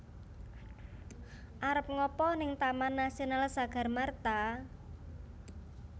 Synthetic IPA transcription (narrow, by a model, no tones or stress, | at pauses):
ʔaɾəp̚ŋɔpɔnɪŋt̪amanːasjonalsaɡ̥a̤rmart̪a